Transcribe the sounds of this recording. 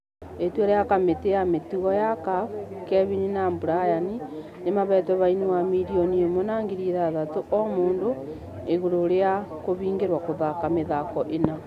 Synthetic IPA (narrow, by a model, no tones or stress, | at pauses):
etwaɾejakameteametuɣɔjakakɛβininaːmbuɾajani | nemaβɛtwɛβainiwamiɾioniomonaːŋɡiɾiðaðatoʔɔmoːndo | eɣoɾoɾeakoβiːŋɡeɾwakoðakameðakɔʔena